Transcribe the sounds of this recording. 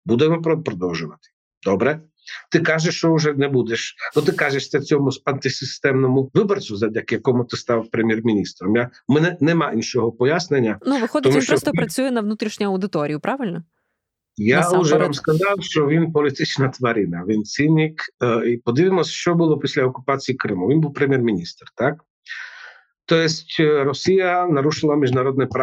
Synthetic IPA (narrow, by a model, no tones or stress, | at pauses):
bud̪ɛmɔpɾɔpɾɔd̪ɔwʒʊʋɐt̪ɪ̥ | d̪ɔbɾɛ | t̪ɪkaʒɛʃt͡ʃɔʊʒɛnɛbud̪ɛʃnɔt̪̬ɪkaʒɛʃsʲɐt͡sʲɔmʊzɐnt̪ɪsɪst̪ɛmnɔmʊʋɪbɔrt͡s̪ʲʊzɐdʲakjɐkɔmʊt̪ɪst̪awpɾemʲjɛrmʲinʲist̪ɾɔmjamɛnɛnɛmainʃɔɦɔpɔjasnenʲːɐnuʋɪxɔd̪ʲt̪ɔmʃɾɔst̪ɔpɾɐt͡sʲujɛnɐʋnut̪ɾʲiʃɲʲʊɐwd̪ɪt̪ɔɾʲijʊpɾaʋɪlʲnɔ | jauʒɛnamskɐzɑwʃt͡ʃɔʋʲinpɔlʲit̪ɪt͡ʃnɐt̪ʋɐɾʲinɐʋʲint͡sʲinʲikipɔd̪ɪʋʲɪmɔsʲʃt͡ʃɔbʊlˠɔpʲisʲlʲɐɔkʊpat͡sʲijikɾɪmʊʋʲinbuwpɾemʲjɛrmʲinʲist̪rt̪ak̚ | t̪ɔjɛsʲtʲɾɔsʲijɐnɐɾuʃɪlˠɐmʲiʒnɐɾɔd̪nɛpɾ